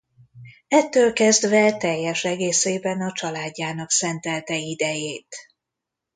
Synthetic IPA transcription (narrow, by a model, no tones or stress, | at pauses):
ɛt̪ːøːlkɛzd̪vɛt̪ɛjːɛʃɛɡeːseːbɛnɒt͡ʃɒlaːɟːaːnɒksɛnt̪ɛlt̪ɛid̪ɛjeːt̪